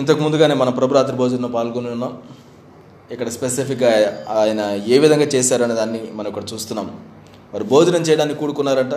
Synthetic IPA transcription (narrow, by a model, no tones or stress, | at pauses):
int̪̬ɐkimund̪uɡaːne̞ːmɐnɐmpɾɐbuɾaːt̪̬ɾiboːd͡ʒɐnɐnɐpaːlkoniunːaːm | ikːɐɽɐspesipʰikɡaːaːjɐnɐeːʋid̪ʱɐŋɡaːt͡ʃeːsaːɾɐneːd̪aːnːimɐnɐmikːɐɽɐt͡ʃuːst̪unːaːm | ʋɐːɾibʱo̞ːd͡ʒɐnɐmt͡ʃɛːjɐɽaːnːikʲikuːɽukunːaːɾɐɳʈa